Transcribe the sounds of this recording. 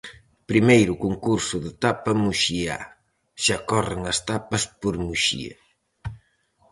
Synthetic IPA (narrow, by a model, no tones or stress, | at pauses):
pɾimejɾʊkoŋkuɾsʊðet̪apɐmuʃia̰ | ʃakɔreŋɐst̪apɐspoɾmuʃḭɐ̰